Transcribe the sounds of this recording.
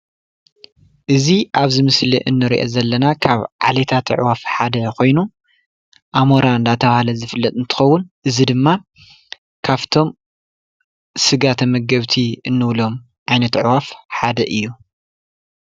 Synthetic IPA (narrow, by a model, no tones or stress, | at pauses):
ʔɨziʔaβzɨmɨsliʔɨ̰nːɨɾḭʔo̰zɐlːɐnakʰaβʕa̰let̪ʰat̪ʰɨʕ̰wafħad̪ɐkʰo̞jnu | ʔamoɾaɨnd̪at̪ʰɐβahalɐzɨfɨlːɐt̪̚ʼɨnt̪ʰɨ̥xɐwːʊnʔɨzid̪ɨmːa | kʰaβt̪ʰo̞m | sɨɡat̪ʰɐmɐɡɐβt̪ʰiɨnːɨβlo̞m | ʔajnɐt̪ʕwafħad̪ɐʔɨjːu